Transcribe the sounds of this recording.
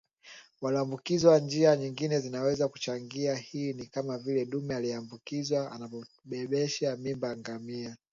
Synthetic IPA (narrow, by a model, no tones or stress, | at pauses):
waliambukizwand͡ʒiaɲiŋɡinɛzinawɛzaku̥t͡ʃaŋɡiahiːnikamavilɛɗumɛaliambukizwaa̰napɔ | ɓɛɓɛʃamimbaŋɡamia